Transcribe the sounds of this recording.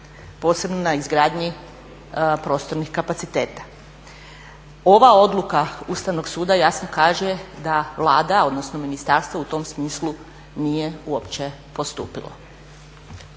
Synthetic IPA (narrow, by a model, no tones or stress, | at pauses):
po̞ːse̞bno̞naizɡɾaːd̪ɲi | pɾo̞ːst̪o̞ɾnixkapat̪sit̪eːt̪ḁ | o̞ʋao̞d̪lˠukaust̪aʋno̞ɡsuːd̪ajasno̞kaːʒed̪aʋlˠaːd̪ao̞d̪no̞snominist̪aɾst̪ʋout̪o̞msmiːslˠu | nijeuopt͡ɕe | po̞st̪uːpilo̰